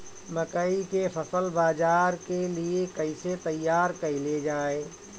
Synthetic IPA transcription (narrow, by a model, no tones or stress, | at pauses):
məkəikepʰəsəlbaːd͡ʒaːɾkeliekəiset̪əjːaːɾkəiled͡ʒaːeː